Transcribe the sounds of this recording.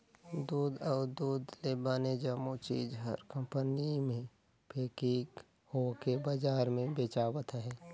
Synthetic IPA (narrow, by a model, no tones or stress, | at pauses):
d̪uːd̪ɔːɾd̪uːd̪lebaːned͡ʒamut͡ʃiːd͡ʒɦəɾkə̃mpənimẽ | pʰeːkĩɡ | hokebəd͡ʒaːɾmẽbeːt͡ʃaːwət̪ɦɛː